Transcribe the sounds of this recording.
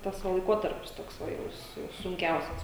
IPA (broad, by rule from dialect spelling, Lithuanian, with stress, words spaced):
ˈtɐs ʋɐ lˠɐɪˈkoːtɐrʲpʲɪs ˈtoːks ˈʋɐ jɛʊ sʊ sʊŋʲˈkʲɛʊsʲɛs